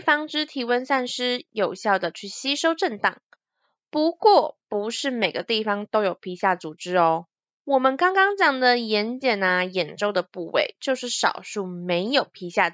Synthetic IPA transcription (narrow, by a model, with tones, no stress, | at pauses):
fɑ˥ŋʈ͡ʂɻ̩˥t̪ʰi˧˥wə˧nsa˥˩nʂɻ̩˥jo˨˩ʊɕjɑ˥˩ʊd̪ə˩t͡ɕʰy˥˩ɕi˥ʂo˥ʊʈ͡ʂə˥˧nt̪ɑ̰˥˩ŋ | pu˧˥kwɔ˥˩pu˧˥ʂɻ̩˥˩me˨˩ɪɡə˦t̪i˥˩fɑ˩ŋt̪o˥ʊjo˨˩ʊpʰi˧˥ɕja˥˩t͡su˨˩ʈ͡ʂɻ̩˥ɔ˧ | wɔ˨˩mə˧˦nkɑ˥ŋkɑ˥ŋt͡ɕjɑ˨˩ŋd̪ə˨jɛ˧˥nt͡ɕjɛ˨˩nə˩jɛ˨˩nʈ͡ʂo˥˩ʊd̪ə˩pu˥˧wḛ˥˧ɪt͡ɕjo˥˧ʊʂɻ̩˥˩ʂɑ̰˨˩ʊʂu˥˩me˧˥ɪjo˨˩ʊpʰi˧˥ɕja˥˩